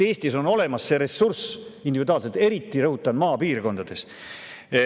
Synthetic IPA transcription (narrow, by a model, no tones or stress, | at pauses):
e̞ːsʲt̪iso̞no̞le̞mɑsːe̞ɾe̞sːursind̪ivid̪uoɑːlset̪e̞ɾit̪ːˑiɾɤɦut̪ːˑɑnmɑːpiːrko̞nd̪ɑd̪̥e̞s